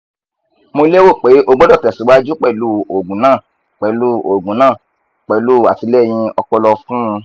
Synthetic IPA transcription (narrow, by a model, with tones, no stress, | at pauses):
mo˧le˦wo˦˨k͡pe˨˦ʔo˧ɡ͡bɔ˦dɔ˦˨tɛ˨si˨˦wa˦d͡ʒu˦k͡pɛ˦˨lu˦˨o˨ɡũ˨˦nãː˦˨ | k͡pɛ˨lu˦o˨ɡũ˨˦nãː˦˨ | k͡pɛ˨lu˦˨a˨ti˧lɛ˦˨j̃ĩ˧ɔ˧k͡pɔ˧lɔ˧fũ˦˧